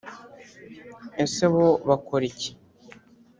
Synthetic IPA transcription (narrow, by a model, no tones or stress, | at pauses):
eseβoβakoɾice̥